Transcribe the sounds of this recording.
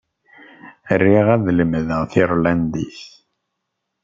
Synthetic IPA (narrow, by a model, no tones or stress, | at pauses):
ərːiʁæðləmðəʁθiɾlænd̪iθ